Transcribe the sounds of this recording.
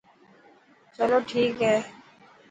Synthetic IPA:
t͡ʃəloːʈʰiːkɦɛː

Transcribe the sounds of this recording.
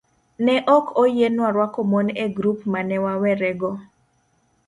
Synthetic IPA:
nɛʔɔkʰojenwaɾwakɔmɔneɡɾupmanɛwawɛɾɛɡɔ

